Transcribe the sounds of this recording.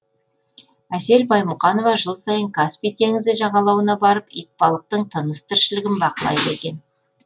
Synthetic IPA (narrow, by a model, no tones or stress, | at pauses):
æse̞lbɑjmʊqɑno̞vɑʒəlˠsɑjəŋkʰaspijt̪ʰe̞ŋɪzd̪ɪʒɑɴɑlˠɑwənɑbɑɾəpḭjt̪̚pɑlˠəq̚t̪əɴt̪ʰənəst̪ʰɪɾʃɪlɪɡʲɪnbɑqəlˠɑ̰jd̪əe̞kʲe̞n